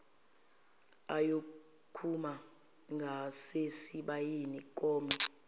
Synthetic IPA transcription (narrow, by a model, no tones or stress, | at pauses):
ajo | kʰuma | ŋɡʱasesiɓajinikʼɔːmɛ